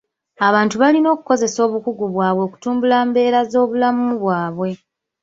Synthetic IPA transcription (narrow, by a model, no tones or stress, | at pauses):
aβaːntuβalino̞ːkuko̞ze̞so̞ːβukuɡuβwaːβwo̞ːku̥tuːmbulaːmbe̞ːɾazo̞ːβulamuβwaːβwe̞